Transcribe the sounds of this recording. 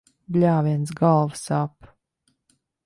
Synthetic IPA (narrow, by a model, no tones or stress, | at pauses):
blʲaːvʲiɛnsɡalˠvsap